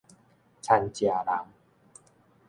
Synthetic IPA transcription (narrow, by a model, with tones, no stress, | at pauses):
t͡ɕʰa˧nt͡ɕi˧a˧ɾa˧m